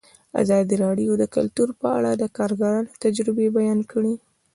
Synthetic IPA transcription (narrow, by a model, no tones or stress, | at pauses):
a̰zɑd̪iɾɑɖijod̪əkʊlt̪uɾpəa̰ɽad̪əkɑɾɡaɾɑnot̪ad͡ʒɾɪbebajɑnkʰəɽi